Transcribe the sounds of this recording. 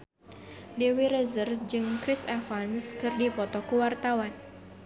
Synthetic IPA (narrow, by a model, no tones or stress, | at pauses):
dewiɾəzərd͡ʒɨŋkɾisɛfanskɨrdipɔt̪ɔkuwart̪awan